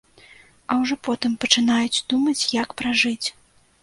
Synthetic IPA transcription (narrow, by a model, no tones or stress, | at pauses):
ɐwʐɔpɔt̪ɨmpɐt͡ʂɨnajud͡zʲd̪umɐt͡sʲjakpɾaʐɨt͡sʲ